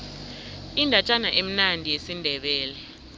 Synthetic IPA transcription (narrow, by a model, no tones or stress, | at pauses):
indʱat͡ʃʼanaʔem̩nandʱijesindʱɛɓɛːlɛ